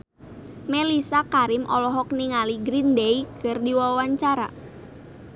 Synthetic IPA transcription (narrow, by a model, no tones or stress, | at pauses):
melisakaɾɪmʔɔlɔɦɔk̚niŋaliɡɾindeikərdiwawaɲt͡ʃaɾa